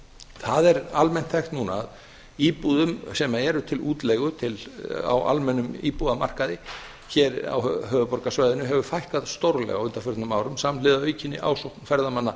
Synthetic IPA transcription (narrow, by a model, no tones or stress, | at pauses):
θaðɛɾalmɛn̥t̪θajxt̪nuːna̰ːð | iːpuðʏmsɛmaɛɾʏt̪ʰɪluːt̪lɛjɣʏt̪ʰɪla̰wa̰lmɛnːʏmḭːpuðama̰r̥kaðɪ | çɛɾa̰wɦœːðʏpɔrkasvajðʏnʏɦɛvʏfajhkaðst̪owɾlɛ̰ɣawʏnt̪afʏɾt̪nʏmawɾʏmsamnlɪðaœːɥjcɪnːɪʔa̰wsowhk̪fɛɾðamanːa